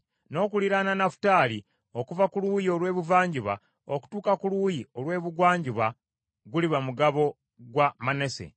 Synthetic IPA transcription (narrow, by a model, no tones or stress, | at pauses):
no̞ːkuliɾananafu̥taːli | o̞kuvakuluːjio̞lwe̞ːβuvaːɲɟuβa̰ | oku̥tuːkakuluːjio̞lwe̞ːβuɡwaːɲɟuβa | ɡuliβamuɡaβo̞ | ɡwamanese̞̰